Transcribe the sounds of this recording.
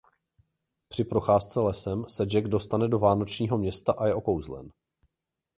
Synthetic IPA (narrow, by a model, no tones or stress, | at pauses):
pr̝̥ɪpɾo̞xaːst͡sɛlɛsɛmsɛd͡ʒɛɡdo̞st̪anɛdo̞vaːno̞t͡ʃɲiːɦo̞mɲɛst̪aʔajɛʔo̞kowzlɛ̰n